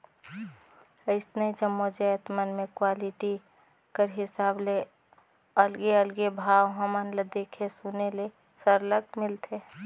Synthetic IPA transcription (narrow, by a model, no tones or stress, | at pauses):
əɪsnəid͡ʒəmːod͡ʒajət̪mənmẽkwaːliʈi | kəɾɦɪsaːble | əlɡeəlɡebʱawɦəmənləd̪ekʰesunele | səɾləɡ̚mɪlt̪ʰe